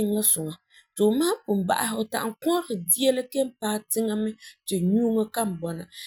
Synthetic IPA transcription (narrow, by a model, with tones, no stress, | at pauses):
ɪ˦ŋ˦la˦sʊ˨ŋa˨ | to˨maː˦pʊ˨m˨ba̰˨ʔa˨ɦɪ˦˨ta̰˨ʔŋkɔ˦ɾɪ˨di˦ɛ˦la˦ke˦m˦paː˦tɪ˦ŋa˦mɨ˦tɪ˨ɲu˦ŋa˦ka˦m̩˨bɔ˨na̰˨